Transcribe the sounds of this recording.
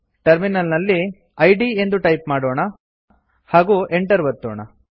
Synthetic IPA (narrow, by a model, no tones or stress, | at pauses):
ʈɐɾminɐlnɐlːi | ɐjɖiend̪uʈɐjpmaːɽoːɳɐ | haːɡuːʔeɳʈɐɾʋɐt̪ːoːɳɐ